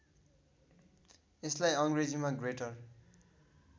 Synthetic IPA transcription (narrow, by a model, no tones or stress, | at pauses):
eslajʌŋred͡zimaɡreʈʌr